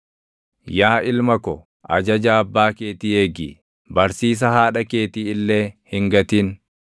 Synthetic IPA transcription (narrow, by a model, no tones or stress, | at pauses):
jaːʔɪlmɐkɔ | ʔɐ̰d͡ʒɐd͡ʒaːɐbːaːke̞ːt̪iːeːɡḭː | bɐɾsiːs̬ɐhaːᶑɐke̞ːt̪iːɪlːe̞ːhɪŋɡɐt̪iːn